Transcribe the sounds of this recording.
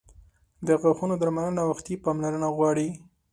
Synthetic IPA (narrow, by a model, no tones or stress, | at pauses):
d̪əɣaxunod̪aɾmalənawaxt̪ipɑmlaɾənaɣwɑɽi